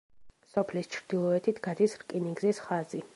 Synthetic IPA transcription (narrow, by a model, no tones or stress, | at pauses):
sɔpʰlist͡ʃʰɾd̪̥ilˠɔɛt̪ʰit̪ʰɡ̥ad̪isɾkʼiniɡzisχazi